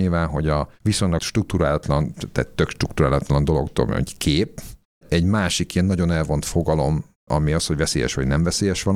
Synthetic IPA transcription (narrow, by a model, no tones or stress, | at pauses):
ilvaːnɦo̞ɟɒvisoɲlɒkʃt̪ruk̚t̪uɾaːlɒt̪lɒnt̪ɛ̰t̪ːøkʃt̪rukt̪uɾaːlɒt̪lɒnd̪o̞lo̞̰kt̪o̰mø̰ɲɟkʰeːp | ɛɟmaːʃikijɛnːɒɟo̞nɛlvo̞nt̪fo̞ɡɒlo̞m | ɒmiɒsho̞ɟvɛseːjɛ̰ʃʋɒɟnɛmvɛseːjɛʃʋɒn